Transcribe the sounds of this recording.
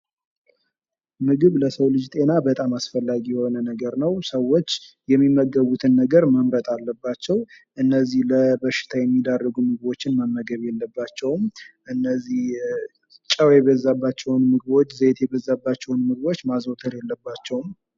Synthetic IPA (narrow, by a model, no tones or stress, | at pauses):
mɨɡɨβləsəwlɨd͡ʒt̪ʼe̞nabət̪ʼamasfəlːaɡijɛho̞nənəɡəɾnəwsəwːo̞t͡ʃː | jɛmːimːəɡəβut̪ʰɨnːəɡəɾməmɾət̪ʼalːəbːat͡ʃːɛw | ʔɨnːəzːihləbəʃːɪ̥t̪ʰajɛmːid̪arːəɡumɨɡɨbo̞t͡ʃːɪnməmːəɡəβjɛlːəbːat͡ʃːɛwmʔɨnːəzːih | t͡ʃʼəwɛbəzːabːat͡ʃːɛwnmɨɡɨβo̞t͡ʃːzet̪ʰjɛbəzːabːat͡ʃːɛwnmɨɡɨbo̞t͡ʃːmazowt̪ʰəɾjɛlːəbːat͡ʃːɛwm